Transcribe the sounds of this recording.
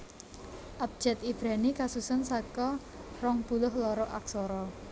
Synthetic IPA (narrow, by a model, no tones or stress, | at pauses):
ʔap̚d̥d͡ʒʒ̥ɛ̤t̪ib̥ɾanikasusənsakɔ | rɔŋb̥ulʊhlɔɾɔʔaksɔɾɔ